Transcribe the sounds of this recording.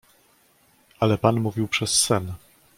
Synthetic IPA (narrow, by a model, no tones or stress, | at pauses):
alɛpanmuvʲiwpʂɛsːɛn